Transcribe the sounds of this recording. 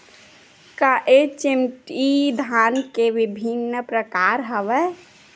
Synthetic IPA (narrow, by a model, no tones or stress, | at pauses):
kaʔet͡ʃimʈid̪ʱankeʋibʱinːəpɾəkaɾɦəʋɛ